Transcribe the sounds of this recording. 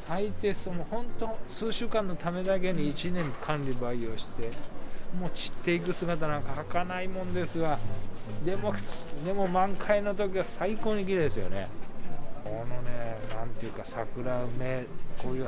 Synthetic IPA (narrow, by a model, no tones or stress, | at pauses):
sait̪e̞sɨmohõ̞nt̪o̞sɨːɕɨːkãnːo̞t̪ame̞d̪ak̬e̞ɲ̟iːt͡ɕinẽ̞ŋkʰãnɾʲibaio̞ɕi̥t̪e̞mo̞ːt͡ɕi̥t̪ːe̞ik̬ɯ̟sɨɡat̪̬anãŋkahakanaimõ̞nd̪e̞sɨɡad̪e̞mod̪e̞mo̞mãŋkʰaino̞t̪̬o̞kʲiβasaiko̞ːɲ̟ik̬ʲiɾed̪e̞sɨjo̞̰ne̞̰ | kono̞neːnãnt̪eɯ̟kasakɯ̟ɾaɯmekoːjɯ